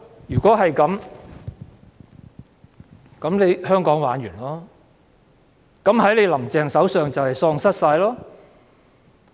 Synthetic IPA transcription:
jyː˨˩kʷɔː˨˥ɦɐ˨jkɐ˨˥m | kɐ˨˥mne˨˧jhœː˥ŋkɔː˨˥ŋwaː˨˥njyː˨˩nlɔː˥ | kɐ˨˥mhɐ˨˥jle˨˧jlɐ˨˩mt͡sɛː˨˩ŋsɐ˨˥wsœː˨˩ŋt͡sɐ˨whɐ˨jsɔː˧ŋsɐ˥t̚saː˧jlɔː˥

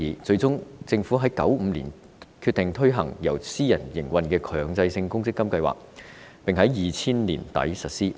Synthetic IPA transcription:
iː˨˩t͡sɵ˧ɥt͡sʊ˥ŋt͡sɪ˧ŋfuː˨˥ɦɐ˨˥jkɐ̰˨˥wm̩˨˧lḭː˨˩n | kʰy˧t̪ɪ˨ŋt̪ʰɵ˥ɥɦɐ̰˨˩ŋjɐ̰˨˩wsiː˥jɐ˨˩njɪ˨˩ŋwɐ˨nkɛː˧kʰœː˨˥ŋt͡sɐ˧jsɪ˧ŋkʊ˥ŋkɪ˥kːɐ˥mkɐ˧jwa̰ː˨˩k̚ | pɪ˨˩ŋɦɐ˨˥jjiː˨t͡sʰiː˥nlḭː˨˩nt̪ɐ̰˨˥jsɐ˨t̚siː˥

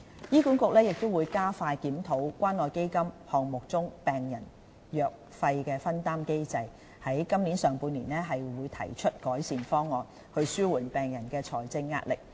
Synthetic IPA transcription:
jiː˥ku˨˥nkʊ˨k̚lɛː˥jɪ˨k̚t̪ʊ˥wuː˨˧jkaː˥faː˧jkiː˨˥mt̪ʰo˨˥wkʷaː˥nlɔː˨jke˥jkɐ˥mhɔː˨˩ŋmʊ˨k̚t͡sʊ˥ŋpɛː˨˩ŋjɐ˨˩n | jœː˨k̚ | fɐ˧jkɛː˧fɐ˥nt̪aː˥mke˥jt͡sɐ˧j | hɐ˨˥jkɐ˥mni˨˥nsœː˨˩ŋpuː˧nliː˨˩nlɛː˥ɦɐ˨jwuː˨˧jt̪ʰɐ̰˨˩jt͡ʃʰɵ˥t̚kɔː˨˥jsiː˨nfɔː˥ŋːɔː˨n | hɵ˧ɥsyː˥wuː˨˩npɛː˨ŋjɐ˨˩nkɛː˧t͡sʰɔː˨˩jt͡sɪ˧ŋːa̰ː˧t̚lɪ˨k̚

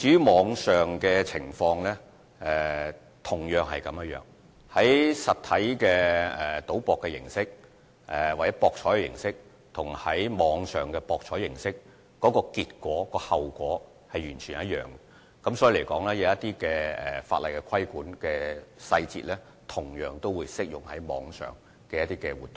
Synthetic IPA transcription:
t͡ʃy˨˥ji˨˧wmɔː˨˧ŋsœː˨˩ŋkɛː˧t͡sʰɪ˨˩ŋfɔː˧ŋlɛ˥ | ʔɛ˨˩ | t̪ʰʊ˨˩ŋjœː˨ŋɦɐ˨jkɐ˨˥mjɐ˥jœ̰ː˨˧˥ŋ | hɐ˨˥jsɐ˨t̪ʰɐ˨˥jkɛː˧ɛː˨˩t̪o˨˥wpɔː˨kːɛ˧jɪ̰˨˩ŋsɪ˥k̚ | ʔɛ˨˩wa˨t͡sɛː˨˥pɔː˨˧k̚t͡ʃʰɔː˨˥jkɛ˧jɪ˨˩ŋsɪ˥k̚ | t̪ʰʊ˨˩ŋhɐ˨˥jmɔː˨˧ŋsœː˨˩ŋkɛ˧pɔː˧k̚t͡ʃʰɔː˨˥jɪ˨˩ŋsɪ˥k̚ | kːɔː˨˥kɔː˧kiː˧t̚kʷɔː˨˥kɔː˧hɐ˨wkʷɔː˨˥ | hɐ˨jyː˨˩nt͡ʃʰyː˨˩njɐ˦˥t̚jœ̰ː˨˩ŋ | kɐ˨˥msɔ˨˥ji˧le˨˩jkɔː˨˥ŋlɛː˥jɐ˨˧wɐ˥t̪iː˥kɛː˧ɛ̰˨˩fa̰ː˧t̚lɐ˨jkɛ˧kʰɐ˥jkuː˨˥nkɛː˧sɐ˧jt͡sḭ˧t̚lɛː˥ | t̪ʰʊ˨˩ŋjœː˨ŋt̪o˥wuː˨˧jsɪ˥k̚jʊ˨˩ŋhɐ˨˥jmɔ̰ː˨˧ŋsœ̰ː˨ŋ | kɛː˧jɐ˥t̪̚iː˥kɛː˧wuː˨˩t̪ːʊ˨ŋ

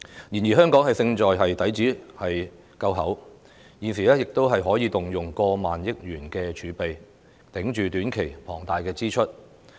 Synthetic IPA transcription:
jiː˨˩njiː˨˩ɦœː˥ŋkɔː˨˥ŋhɦɐ˨jsɪ˧ŋt͡ʃɔː˨jɦɐ˨jt̪ɐ˨˥jt͡siː˨˥hɐ˨j | kɐ˧wɦɐ˨˥w | jiː˨ns̬iː˨˩lɛː˥jɪ˨k̚t̪o˥wɦɐ˨jɦɔː˨˥jiː˨˧t̪ʊ˨ŋjʊ˨ŋkɔː˧maː˨njɪ˥k̚jyː˨˩nkɛː˧t͡ʃʰyː˨˧pe˨j | t̪ɪ˨˥ŋt͡ʃyː˨t̪yː˨˥nkʰe˨˩jpʰɔː˨˩ŋt̪aː˨jkɛː˧t͡siː˥t͡ʃʰɵ˥t̚

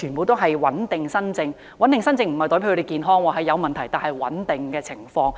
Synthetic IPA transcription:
t͡ʃʰyː˨˩nmpo˨˧wt̪o˥wɦɐ˨jwɐ˨˥nt̪ɪ˨ŋsɐ˥nt͡sɪ˧ŋ | wɐ˨nt̪ɪ˨ŋsɐ˥nt͡sɪ˧ŋm̩˨˩hɐ˨˩jtɔː˨˧˥pʰi˧˥˧e˨˧kiː˨˧nɦɔː˥ŋwɔː˨˧ɦɐ˨jːɐ˨˧wmɐ˨nt̪ʰɐ˨˩jt̪aː˨˩nhɐ˨jwɐ̰˨˥nt̪ɪ˨˩ŋkɛː˧t͡sʰɪ˨˩ŋfɔː˧ŋ

